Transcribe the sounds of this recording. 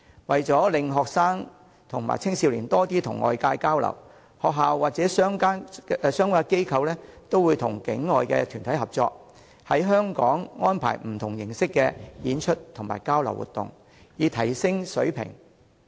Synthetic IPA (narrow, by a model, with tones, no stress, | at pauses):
wɐ˨jt͡sɔː˨˥lɪ˨ŋɦɔː˨k̚saː˥ŋ | t̪ʰʊ˨˩ŋma̰ː˨˩jt͡sʰɪ˥ŋsiː˧wliː˨˩nt̪ɔː˥t̪iː˥t̪ʰʊ̰˨˩ŋːɔ̰ː˧jkaː˧jkaː˥wlɐ̰˨˩w | hɔː˨k̚ɦaː˨wwaː˨t̚t͡sɛː˨˥sœː˥ŋkaː˥˧sœː˥ŋwaː˥ke˥jkʰɐ˧wlɛː˥t̪o˥wuː˨˧jt̪ʰʊ˨˩ŋkɪ˨˥ŋːɔː˨jkɛ̰˧t̪ʰyː˨˩nt̪ʰɐ˨˥jhɐ˨p̚t͡sɔ̰ː˧k̚ | hɐ˨˥jɦœː˥ŋkɔː˨˥ŋŋɔː˥npʰa̰ː˨˩jm̩˨˩t̪ʰʊ˨˩ŋjɪ˨˩ŋsɪ˥kːɛː˧jiː˨˥nt͡ʃʰɵ˥t̚t̪ʰʊ˨˩ŋma̰ː˨˩jkaː˥wlɐ˨˩wṵ˨t̪ʊ̰˨ŋ | jiː˨˧t̪ʰɐ˨˩jsɪ˥ŋsɵ̰˨˥ɥpʰɪ̰˨˩ŋ